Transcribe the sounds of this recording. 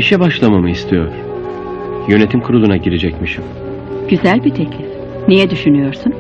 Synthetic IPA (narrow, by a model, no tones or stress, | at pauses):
iʃɛbaʃlˠamamɯist̪ʰijo̞̰ɾ̥ | jø̞ne̞t̪ʰimkʰuɾud̪unaɟiɾed͡ʒɛcmiʃim | ɟ̥yzælʲbit̪ʰecʰlʲif | nejɛd̪yʃynyjo̞ɾsun